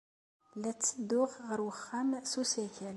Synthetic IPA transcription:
læt͡sːəd̪ːʊʁʁəɾwəχːamsusækʰæl

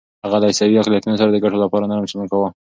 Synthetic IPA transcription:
haɣalaɪsawiaqlijat̪unos̬aɾad̪əɡaʈolapɑɾanaɾamsumukawa

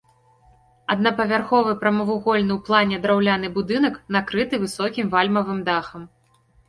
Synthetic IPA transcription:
ɐd̪nɐpɐvʲarxɔvɨpɾɐmɐvuɣɔlʲnɨwplˠanʲɛd̪ɾawlʲan̪ɨbud̪ɨnɐknakɾɨt̪ɨvɨsɔkʲimvalʲmɐvɨmd̪axɐm

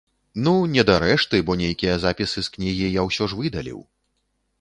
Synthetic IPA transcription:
nunʲɛd̪aɾɛʂt̪ɨbɔnʲejkʲijɐzapʲisɨsknʲiɣʲijawsʲɔʐvɨd̪ɐlʲḭw

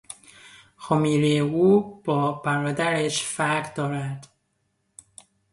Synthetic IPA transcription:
xɔmiːɾejeuːb̥ɒːbæɾɒːd̪æɾeʃfæɾɡd̪ɒːɾæd̪̥

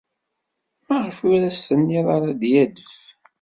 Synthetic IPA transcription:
mæʁɾfuɾæsːənːiðˤɑɾˤɑd̪jæd̪əf

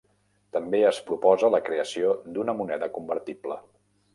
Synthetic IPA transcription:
t̪əmbeəspɾupɔzələkɾeəsiod̪unəmunɛðəkumbəɾt̪iblə

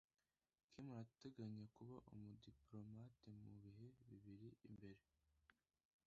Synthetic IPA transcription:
kʰimaate̞ɡaɲekuβaʔumudiplo̞matemuβiɦe̞βiβiɾiimbe̞ɾe̞

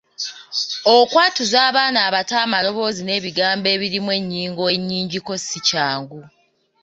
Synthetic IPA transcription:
okwaːtuzaːβaːnaːβataːmalo̞βo̞ːzine̞ːβiɡaːmbe̞ːβiɾimwe̞ɲːiːŋɡoeɲːiːɲɟiko̞sicaːŋɡu

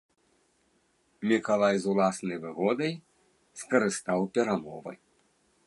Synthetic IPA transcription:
mʲikalˠajzulˠasnɐjvɨɣɔd̪ɐj | skɐɾɨst̪awpʲɛɾamɔvɐ̰j

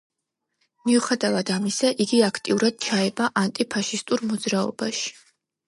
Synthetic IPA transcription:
miuχɛd̪avad̪̥amisaʔiɡiakʰt̪ʼiuɾad̪̥̚t͡ʃʰaɛbaʔant̪ʼipʰaʃist̪ʼuɾmɔd̪zɾaɔ̰baʃi̥

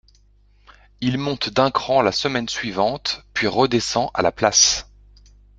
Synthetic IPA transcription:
ilmɔ̃t̪d̪ɛ̃kχɑ̃lasəmɛnsɥivɑ̃t̪pɥiʁəd̪esɑ̃ʔa̰laplas

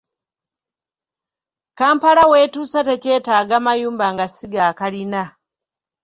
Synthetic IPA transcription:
kaːmpalawe̞ːtuːsate̞ce̞ːtaːɡamajuːmbaŋɡasiɡaːkalina

